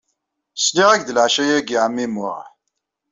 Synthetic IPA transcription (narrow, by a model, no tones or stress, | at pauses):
sniʁæɡd̪əlʕʃæjæɡiʕmːimʊʁ